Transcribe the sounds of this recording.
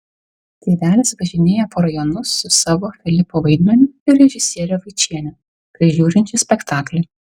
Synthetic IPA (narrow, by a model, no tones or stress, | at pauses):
t̪ʲeʋʲæːlʲɪsʋɐʒʲɪnʲeːjɛpoːɾɐjɔnʊsːʊsɑːʋoːfʲɪlʲɪpoːʋɐɪd̪ʲmʲɛnʲʊɪɾɾʲɛʒʲɪsʲiɛɾʲɛʋɐɪt͡ʃʲiɛnʲɛ | kɐɪʒʲuːɾʲɪnʲt͡ʃʲɪsʲpʲɛkt̪ɑːklʲɛɪ